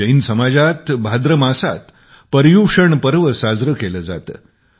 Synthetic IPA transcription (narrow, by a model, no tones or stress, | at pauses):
əinsəmad͡zat̪bʱad̪ɾəmasa̰t̪ | pəɾjuʂəɳpəɾʋəsad͡zɾəkeləd͡za̰t̪ə̰